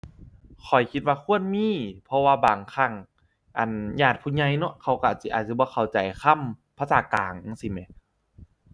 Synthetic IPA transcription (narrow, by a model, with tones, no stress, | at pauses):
kʰɔ˨˩jkʰi˧t̪̚waː˧kʰu˧˥˨ənmiː˧˥˨pʰɔ˧waː˧baː˨˩ŋkʰa˧˩˨ŋ | ʔa˨˩njaː˧˩t̪̚pʰuː˧˩ɲa˧˩jnɔ˧˦ʔkʰa˧˩wka˧˨si˧ʔa̰ː˨˩t̪̚si˧˦bɔː˧˦kʰa˨˩wt͡ɕa˨˩jkʰa˧˨mpʰa˧˨saː˨˩˦ka̰ː˨˩ŋsi˧˦mɛ˧˦